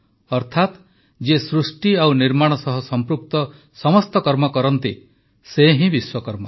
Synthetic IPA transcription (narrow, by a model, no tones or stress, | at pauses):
ɔɾt̪ʰat̪ | d͡ʒesɾusʈiawniɾmaɽ̃ɔsɔɦɔsɔmpɾuk̚t̪ɔ | sɔmɔst̪ɔkɔɾmɔkɔɾɔnt̪ḭ | seɦĩbiswɔkɔɾmɔ